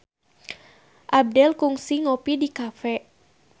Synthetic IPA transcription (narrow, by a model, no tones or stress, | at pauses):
ʔab̚dɛlkuŋsiŋopidikafɛ